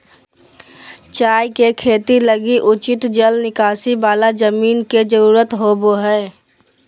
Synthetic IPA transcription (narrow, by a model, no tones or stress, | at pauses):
t͡ʃaːjkekʰeːt̪iləɡiʔʊt͡ʃɪt̪d͡ʒəlnɪkaːsibaːlad͡ʒəmiːnked͡ʒəɾuːɾət̪ɦoːboɦɛː